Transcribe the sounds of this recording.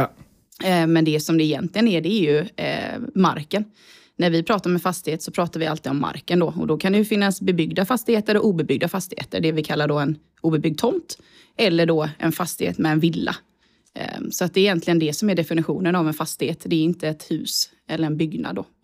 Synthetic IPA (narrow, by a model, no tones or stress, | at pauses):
mɛnd̪ɛsɔmd̪ɛɪjɛ̰nt̪ʰlɪɡənæɖɛæɾjɵ | ma̰ɾkən | næɾvɪpʰɾɑːt̪aɾmɛfast̪ɪheːt̪sɔpʰɾɑːt̪aɾvɪa̰lt̪ʰiːd̪ɔmːa̰ɾkənd̪ɔɔ̰d̪ɔkʰand̪ɛjɵfɪnːasbɛbʏɡd̪afast̪ɪheːt̪əɾɔʔuːbɛbʏɡ̚d̪afast̪ɪhḛːt̪ə̰ɾɖɛvɪkʰalːaɖɔɛn | uːbɛbʏɡ̪̚t̪ʰɔmt̪ | ɛlːəɖɔʔɛ̰nfast̪ɪhḛːt̪mɛɛnvɪlːa̰ | sɔat̪̚d̪ɛːɪjɛnt̪lɪɡənd̪ɛsɔmæɖɛfɪnɪɧuːnənavɛnfast̪ɪheːt̪d̪ɛːɾɪnt̪əɛt̪hʉ̟ːs | ɛlːəɾɛnbʏɡna̰d̪ːɔ̰